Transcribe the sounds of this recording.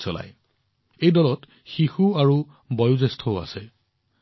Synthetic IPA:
sɔla̰j | ejdɔlɔt | xixuaɹu | bɔjuzɛstʰɔʊa̰sɛ

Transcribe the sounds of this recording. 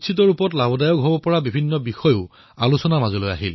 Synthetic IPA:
t͡ʃʰit̬ɔɹupɔtlabɔdajɔkɦobɔpɔɹabibʱinːɔbixɔjʊʊ | alusɔnamazɔloja̰ɦil

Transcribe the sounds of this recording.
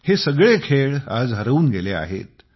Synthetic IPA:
hesəɡɭekʰeɭad͡zɦəɾəuːnɡelea̰ɦḛt̪̚

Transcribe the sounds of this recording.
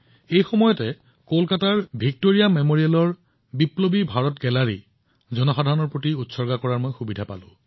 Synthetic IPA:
ejxɔmɔjɔtɛ | kolkataɹbʱik̚toɹijamemoɹijalɔɹ | biplobibʱaɹɔtɡɛlaɹḭ | zɔnɔxadʱaɹɔnɔɹpɹotiutsɔɹɡakɔɹaɹmojxubidʱapa̰lʊ̰̃

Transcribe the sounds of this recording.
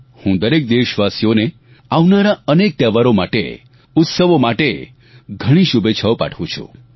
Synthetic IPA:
hũd̪əɾek̚d̪eʃʋasijone | aʋnaɾaənek̚t̪ɛʋaɾomaʈḛ | ʊt̪səʋomaʈe | ɡʱəɽ̃ĩʃubet͡ʃʰəʋpa̰ʈʰʋũt͡ʃʰṵ̃

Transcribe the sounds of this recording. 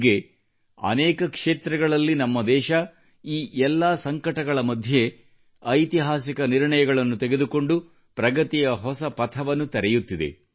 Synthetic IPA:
ɡe̞ | ɐ̰nɛːkɐkʂeːt̪ɾɐɡɐɭɐlːinɐmːɐd̪ɛːʃɐ | iːʔɛlːaːsɐŋkɐʈɐɡɐɭɐmɐd̪ʱje̞ | ɐjt̪iɦaːs̬ikɐniɾɳɐjɐɡɐɭɐnːut̪eɡed̪uko̞ɳɖu | pɾɐɡɐt̪ijɐɦɔsɐpɐt̪ʰɐʋɐnːut̪ɐɾɛjut̪ːid̪ḛ

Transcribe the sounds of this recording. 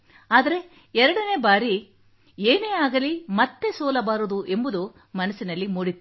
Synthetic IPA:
aːd̪ɐɾe̞ | ɛɾɐɽɐne̞ːbaːɾi | eːneːaːɡɐlimɐt̪ːe̞sɔːlɐbaːɾud̪uʔe̞mbud̪u | mɐnɐsinɐlːimuːɽit̪ːu

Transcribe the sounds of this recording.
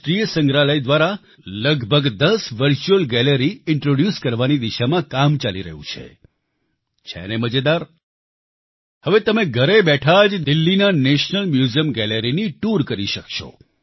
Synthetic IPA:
ʃɾijsə̃ŋɡɾaləjd̪ʋaɾa | ləɡbʱəɡd̪əsʋəɾt͡ʃuəlɡɛləɾiɪɳʈɾoɖjuskəɾʋanid̪iʃamãkamt͡ʃalḭɾə̰ɦṵ̃t͡ʃʰḛ | t͡ʃʰɛ̰neməd͡ʒed̪aɾ | həʋet̪əmẽɡʱəɾebɛʈʰad͡ʒd̪ɪlːinaneʃnəlmjuzijəmɡɛleɾiniʈuɾkəɾiʃəkʃo̰

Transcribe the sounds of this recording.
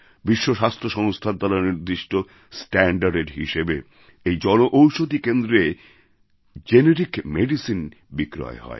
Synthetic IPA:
biʃːoʃast̪ʰoʃɔŋst̪ʰad̪ːalaɾniɾd̪iʃʈo | sʈæɳɖaɾɖeɾɦiʃebe | ejd͡ʑɔnoʔowʃod̪ikend̪ɾe | d͡ʑeneɾikmeɖisin | bikɾɔ̰eɦɔ̰e

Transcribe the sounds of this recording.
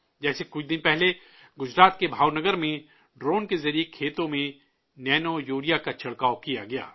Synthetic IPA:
d͡ʒɛːsekʊt͡ʃʰd̪ɪnpɛɦle | ɡʊd͡ʒɾaːt̪kebʱaːwnɐɡəɾmẽ | ɖɾoːnkezɐɾijekʰeːt̪õmẽ | nɛːnojoːɾijakat͡ʃʰɐɽkaːokijaɡɐja̰ː

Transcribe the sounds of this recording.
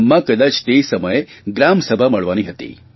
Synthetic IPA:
mːãkəd̪at͡ʃt̪esəməjeɡɾamsəbʱaməɭʋaniɦət̪ḭ

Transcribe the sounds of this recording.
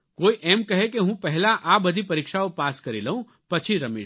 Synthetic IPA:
koːiʔeːmkɐɦekeɦũːpɛɦlaʔaːbɐd̪ʱipɐɾikʃaopaːskɐɾilɐũ | pɐt͡ʃʰiɾɐmḭː

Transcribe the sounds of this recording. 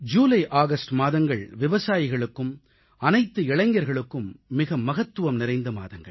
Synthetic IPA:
d͡ʒuːlɐɪʔaːɣɐsʈmaːðɐŋɡɐɭʋɪʋɐsaːjɪɣɐɭɯkːɯm | ɐnɐɪt̪ːɯɪɭɐŋɡɐɾɣɐɭɯkːɯmːɪɣɐmɐɣɐt̪ːɯʋɐmnɪɾɐɪnd̪ɐma̰ːðɐŋɡɐ̰ɭ

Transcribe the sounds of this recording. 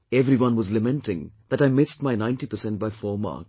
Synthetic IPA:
ɛvɾiwʌ̃nwɔzlɨmɛ̃ntɪ̃ŋd̪̥æʈaɪmɪsʈ̚maɪnãɪ̃nʈipəsɛ̃nʈ̚baɪfɔːma̰ːk

